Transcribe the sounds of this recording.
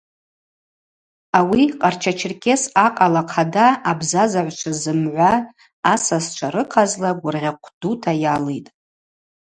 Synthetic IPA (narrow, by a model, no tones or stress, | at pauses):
awiqʼart͡ʃʰat͡ʃʰɪrkʲʰʼe̞saqʼalaqʰadaːbzazaʕʷt͡ʃʷʰazɨmʕʷaː | sast͡ʃʷʰaɾɨqʰazlaɡʷʊrʁʲaqʷʰd̥utʰajalejtʼ